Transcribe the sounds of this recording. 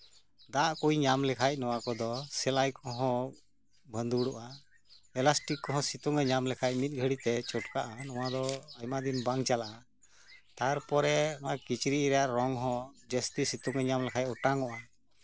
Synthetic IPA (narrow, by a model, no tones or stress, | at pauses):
d̪aʔkujɲamlɛkʰac̚ˀnɔw̃akɔd̪ɔsɛlajkɔɦɔ̃ | bʱənd̪uɽɔʔa | ɛlasʈikkːɔɦɔ̃sit̪ɔŋɛɲamlɛkʰac̚mit̪̚ˀɡʱəɽit̪ɛt͡ʃɔʈkaʔanɔwad̪ɔajmad̪inbaŋt͡ʃalaʔa | t̪aɾpɔɾɛɔakit͡ʃɾiʔɾɛjaʔɾɔŋɦɔ̃d͡ʒəst̪isit̪uŋɛɲamlɛkʰajc̚ɔʈaŋɔʔa